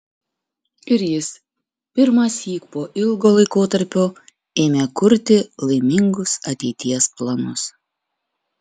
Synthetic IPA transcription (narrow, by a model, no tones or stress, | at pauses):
ɪɾjɪs | pʲɪɾmɑsʲiːkpoːʔɪlˠɡoːlˠɐɪkoːt̪ɐɾʲpʲoː | eːmʲeːkʊɾʲt̪ʲɪlˠɐɪmʲɪŋɡʊsɐt̪ʲɛɪt̪ʲiɛsplˠɐnʊs